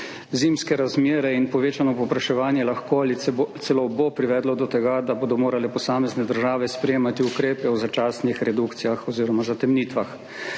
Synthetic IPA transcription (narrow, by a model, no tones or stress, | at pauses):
ziːmskɛɾazmjeːɾɛinpɔʋeːt͡ʃanɔpɔpɾaʃɛʋaːnjɛlaxkoalit̪sɛlobopɾiʋɛːd̪lɔd̪ɔt̪ɛɡad̪aboːd̪ɔmoːɾalɛpɔsaːmɛznɛd̪əɾʒaːʋɛspɾɛjeːmat̪iukɾeːpɛwzat͡ʃaːsnixɾɛd̪ukt̪sijaxɔziːɾɔmazat̪ɛmniːt̪ʋax